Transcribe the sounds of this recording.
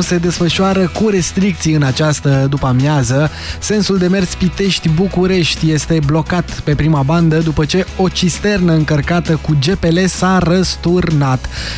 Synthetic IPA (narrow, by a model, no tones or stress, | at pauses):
se̞d̪e̞sfəʃuaɾəkuɾe̞st̪ɾik̚t̪siɨnat͡ʃast̪əd̪upamjazə | se̞nsuld̪e̞me̞rspit̪e̞ʃt̪ʲbukuɾe̞ʃt̪ʲje̞st̪e̞blo̞kat̪pe̞pɾimaband̪əd̪upət͡ʃe̞o̞t͡ʃist̪e̞rnəɨŋkərkat̪əkud͡ʒe̞pe̞le̞saɾəst̪urnat̪